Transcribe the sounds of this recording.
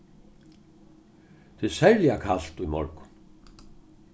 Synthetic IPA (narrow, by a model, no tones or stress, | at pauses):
t̪ʰɪsɛɾljakʰal̥t̪ujmɔ̰ɾkʊ̥